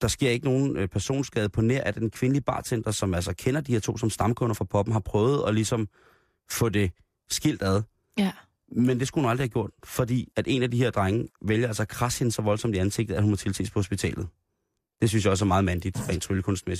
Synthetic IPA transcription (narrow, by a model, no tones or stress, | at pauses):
d̥ɑ̈sɡ̥e̝ɐ̰e̝ɡ̥əno̝ːn̩pʰæɐso̝̰ːnsɡ̥ɛːðˠpʰɒ̽neɐ̰æd̥enkʰʋe̝nəlib̥ɑ̰̥̈ːsen̰d̥ɐsɒ̽mælsɐkʰenɐd̥iheɐt͡sʰo̰ːsɒ̽msd̥ɑ̈mkʰɔ̽nɐfʁɑ̈pʰɒ̽b̥m̩ɦɑ̈pʰʁœːʊð̞̩ˠɒ̽lisɒ̽m | fɔ̽d̥e̝ | sɡ̥il̰d̥æð̞ˠ | mend̥e̝sɡ̥uhunɑldʁihæɡjo̝ɐ̰d̥fɒ̽d̥ḭːæd̥e̝næd̥ihe̝ɐ̰d̥ʁaŋəʋeljɐælsɐkʰʁɑ̈sinsɒ̽ʋɒ̽lsɒ̽mdiænse̝ɡ̥d̥ð̩æɐhumɐt͡sʰe̝lt͡sʰḛːspʰɒ̽ho̝sb̥it͡sʰɛ̰ːlð̞̩ˠ | d̥e̝s̬ynsjɑɒ̽sæɐmɑ̈ːð̞̩ˠmænd̥id̥ʁɛ̰nt͡sʰʁyləkʰɔ̽nsd̥mesi̥d̥